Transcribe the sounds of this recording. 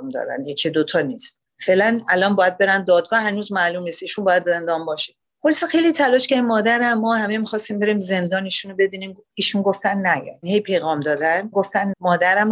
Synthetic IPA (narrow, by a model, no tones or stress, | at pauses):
md̪ɒ̰ɾæ̰njecʰid̪ot̪ʰɒːniːst̪ | fe̞lænælɒːnbɒːjæd̪̚be̞ɾænd̪ɒːd̪̚ɡɒːhænuːzmælumniːst̪iːʃunbɒːjæd̪ze̞nd̪ɒːnbɒːʃe̥ | holsexe̞jlit̪ʰælɒːʃcæɾimːɒːd̪æɾæmːɒːhæmemixɒːst̪iːmbe̞ɾiːmze̞nd̪ɒːniːʃunobe̞biːniːm | iːʃunɡo̞ft̪ænːæjɛ̰inhejpʰe̞jɣɒːmd̪ɒːd̪ænɡoft̪ænmɒːd̪æɾæm